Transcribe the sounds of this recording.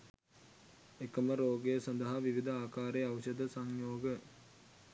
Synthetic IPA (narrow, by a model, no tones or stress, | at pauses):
ekəməɾoːɡejəsɐnd̪əɦaʋiʋid̪əaːkaːɾeaʋəʃəd̪əsaŋjoːɡə